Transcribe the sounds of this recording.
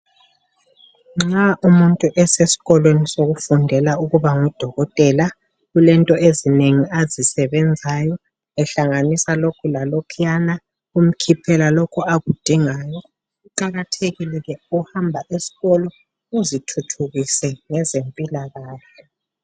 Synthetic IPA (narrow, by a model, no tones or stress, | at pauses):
ŋ͡ǁaʔumuntʼuʔɛsesi̥ɣɔlwenisoɣufundʱɛlauɣuβaŋud̥ʱɔɣɔtʼɛla | ɣulɛntʼɔezineŋiazisɛβɛnd͡zʱajɔ | ɛɬaŋanisalokʰulalɔkʰijana | um̩kʰipʰɛlalokʰuaɣud̥ʱiŋaːjɔ | uǃaɣatʰeɣilɛɣɛuhambʱaʔesi̥ɣɔlɔ | uzitʰutʰuɣisɛŋɛzempʼilaɣaːɬɛ